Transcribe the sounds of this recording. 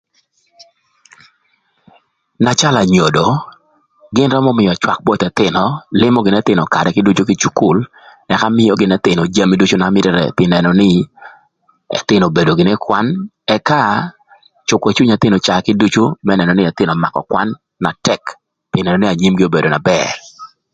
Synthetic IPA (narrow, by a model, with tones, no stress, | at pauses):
na˨t͡ʃa˦la˨ɲo˨do˨ | ɡɪ˦nɾɔ˦mɔ˦mɪ˨jɔ˨t͡ʃwa˨k̚bɔ˦t̪ɛ˨t̪ɪ˨nɔ˨lɪ˦mɔ˦ɡɪ˨nɛ˦t̪ɪ˨nɔ˨ka˨ɾɛ˨kɪ˦du˦t͡ʃu˦kɪ˦t͡ʃu˦ku˦l | ɛ˨ka˦mɪ˦jɔ˦ɡɪ˨nɛ˦t̪ɪ˨nɔ˨d͡ʒa˦mi˦du˦t͡ʃu˦na˨˦mɪ˦ɾɛ˨ɾɛ̰˨pɪ˦nɛ˨nɔ˨nɪ˦ | ɛ̰˨t̪ɪ˦no˨be˨do˨ɡɪ˨nɛ˦kwa˦n | ɛ˦ka˦ | t͡ʃʊ˨kɛ˨t͡ʃu˦ɲa˨t̪ɪ˦no˨t͡ʃa˨kɪ˦du˦t͡ʃu˦mɛ˦nɛ˨nɔ˨nɪ˦ɛ˨t̪ɪ˦nɔ˨ma̰˨kɔ̰˨kwa̰˦nː | a˨tɛ˦˨k | pɪ˨nɛ˨nɔ˨nɪ˦a˨ɲi˦mɡɪ˦o˦be˨do˨na˨bɛr